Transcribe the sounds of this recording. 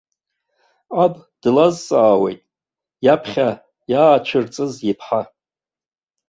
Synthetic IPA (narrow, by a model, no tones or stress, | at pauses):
ab | d̥lazt͡sʼaːwe̞̰jtʼ | japʰχʲa | jaːt͡ʃʷʰɨrt͡sʼɨzjipʰħa